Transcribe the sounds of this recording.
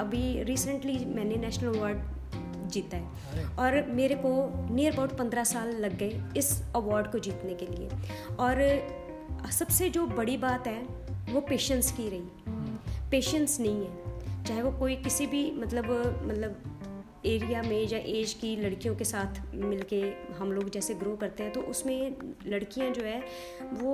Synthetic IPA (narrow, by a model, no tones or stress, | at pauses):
əbʱiɾiːsəɳʈliːmɛ̃ːnenɛːʃnələʋaːɾɖ | d͡ʒiːt̪aːɦɛː | ɔːɾmeːɾekoːnijəɾbaːʈpə̃nd̪ɾaːsaːlːəɡːəeɪsəʋaːɾɖkod͡ʒiːt̪nekelɪḛːɔːɾ | səbsed͡ʒoːbəɽibaːt̪ɦɛːʋoːpeːʃənskiɾəiː | peːʃə̃nsnɐɦĩɦɛːt͡ʃaːɦeʋokoːikɪsibʱimɐt̪ləbmɐt̪ləb | eːɾijamẽjaʔeːd͡ʒkilɐɽkijõkesaːt̪ʰmɪlkeɦɐmloːɡd͡ʒɛːseɡɾoːkɐɾt̪eɦɛ̃t̪oʔʊsmẽlɐɽkijãd͡ʒoːɦɛː | ʋoː